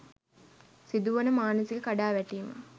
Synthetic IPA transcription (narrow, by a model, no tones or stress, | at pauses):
sid̪uʋɐnəmaːnəsiɡəkaɖaːʋæʈiːmɐ̰